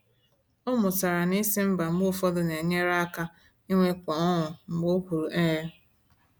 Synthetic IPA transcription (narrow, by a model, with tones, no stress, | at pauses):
o˦mʊ˨ta˨ɾa˨ni˦si˦m̩˦ba˨m̩˦ʊ˦fɔ˦dʊ˨ne˨ɲe˦ɾa˦a˦ka˦ | i˦ŋʷe˦kʷɔ˨ɔ˦ŋʊ˨ŋ͡m̩˨ɡ͡bʊ˦ku˨ɾu˨ʔe˦ɾe˦